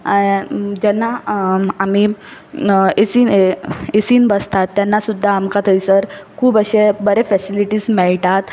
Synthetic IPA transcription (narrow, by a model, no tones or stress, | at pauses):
d͡ʑɛnːaami | esiːneesiːnbəst̪at̪ːjanːasud̪ʱːaːmkat̪ʰəisəɾkʰuːbəɕebəɾefɛsiliʈiːsmɛɭʈat̪